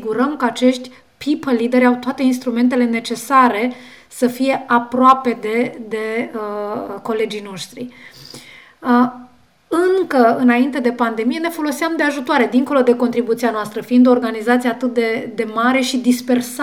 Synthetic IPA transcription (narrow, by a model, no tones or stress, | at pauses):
ɡuɾəmkəat͡ʃe̞ʃt̪ʲ | pʰipəlːid̪e̞ɾʲawt̪oat̪e̞inst̪ɾume̞nt̪e̞le̞ne̞t͡ʃe̞saɾe̞ | səfije̞ʔapɾoape̞d̪ed̪e̞ | ko̞le̞d͡ʒijno̞ʃt̪ɾḭ | ɨŋkəɨnaint̪e̞d̪e̞pand̪e̞mije̞ne̞fo̞lo̞siamd̪e̞aʒut̪oaɾe̞d̪iŋko̞lo̞d̪e̞ko̞nt̪ɾibut̪sianoast̪ɾəfiind̪oːrɡanizat̪sijeat̪ɨt̪̚d̪e̞d̪e̞maɾe̞ʃid̪ispe̞rs